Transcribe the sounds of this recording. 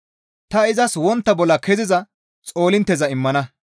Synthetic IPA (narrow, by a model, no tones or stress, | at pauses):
t̪ɐɪzɐswɔnt̪ːɐbɔlːɐkɛzɪzɐ | t͡sʼo̞ːlɪnt̪ːɛzɐɪmːɐnɐ